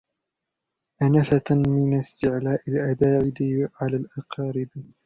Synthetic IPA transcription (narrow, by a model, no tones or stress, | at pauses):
ʔanafamɪnast̪ɪʕlaːʔalʔabaːʕɪd̪ɪʕalaːlʔɑqɑːɾɪb